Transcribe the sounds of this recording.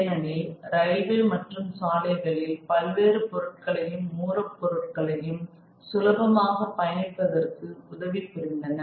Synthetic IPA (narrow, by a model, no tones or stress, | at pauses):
nɐnɪlɾɐɪʋɪlmɐʈrɯmsaːlɐɪɣɐɭɪlpɐlʋeːrɯpɔɾɯʈ̚kɐɭɐjɯmːuːrɐpːɔɾɯʈ̚kɐɭɐjɯm | sʊlɐbɐmaːɣɐpːɐjɐnɪpːɐðɐrkɯʊðɐʋipːʊɾɪnd̪ɐnɐ